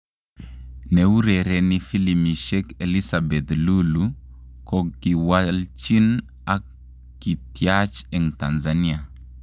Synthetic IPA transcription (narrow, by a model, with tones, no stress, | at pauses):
nɛ˨wu˦ɾɛ˨ɾɛ˨nifi˦limi˨ʃɛ˦ke˨li˦sabɛ˨t̪lu˦lu | kɔki˨wa˦lt͡ʃi˦n | a | kːi˨tjat͡ʃɛ˨ŋta˨nzania˨